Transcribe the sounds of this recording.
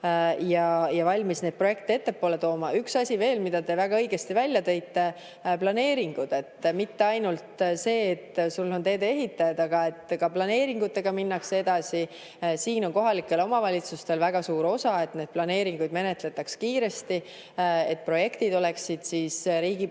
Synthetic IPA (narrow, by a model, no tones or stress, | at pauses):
jɑjɑvɑlʲmisned̪̚pro̞je̞k̚t̪ie̞t̪ːe̞pːoːle̞t̪o̞ːmɑyksɑsʲive̞ːlmid̪̥ɑt̪e̞væɡ̥ɑɤjɡe̞st̪ivælʲjɑt̪e̞jt̪ːe̞ | plɑne̞ːɾiŋɡ̥ud̪̥e̞t̪ːmit̪ːe̞ɑjnult̪se̞ːt̪ːsulːo̞nt̪e̞ːd̪eeɦit̪ːˑɑjɑd̪ɑɡ̥ɑe̞t̪ːˑkɑplɑne̞ːɾiŋɡut̪ːˑe̞ɡ̥ɑminːɑkse̞d̪̥ɑsi | siːno̞nko̞ɦɑlikːˑe̞lo̞mɑvɑlʲit̪sust̪e̞lvæɡ̥ɑsuːɾo̞sɑe̞t̪ne̞ːd̪̥̚plɑne̞ːɾiŋɡ̥ujd̪me̞ne̞t̪ˑle̞t̪ːˑɑkskiːɾe̞st̪i | e̞t̪̚pro̞je̞kt̪id̪o̞le̞ksid̪̥siːsɾiːɡ̥i